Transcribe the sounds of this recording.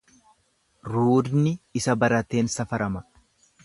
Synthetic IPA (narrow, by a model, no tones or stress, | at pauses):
ɾuːd̪nɪɪsɐbɐɾɐt̪e̞ːnsɐfɐɾʔɐmɐ